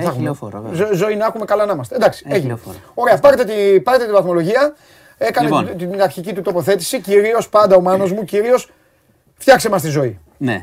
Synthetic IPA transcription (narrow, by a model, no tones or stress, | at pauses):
θɐxumezozo̞inɐxume̞kɐlɐnɐmɐst̪end̪ɐksi̥eʝino̞ɾeɐpɐɾet̪et̪ipɐɾet̪et̪ivɐθmo̞lo̞ʝiɐ | e̞kɐneinɐɾçicit̪ut̪o̞po̞θe̞t̪i̥siciɾio̞spɐnd̪ɐomɐno̞zmuciɾio̞s | fçɐkse̞mɐst̪izo̞i | ne